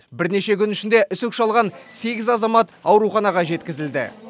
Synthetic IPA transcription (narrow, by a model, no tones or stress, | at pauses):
bɪɾne̞ʃe̞kʲʰʏnɪʃɪnd̪e̞ʔʏsʏkʃɑlˠʁɑnse̞ɡʲɪzɑzɑmɑt̪ɑwɾuχɑnɑʁɑʒe̞t̪̚kʲɪzɪld̪ɪ̰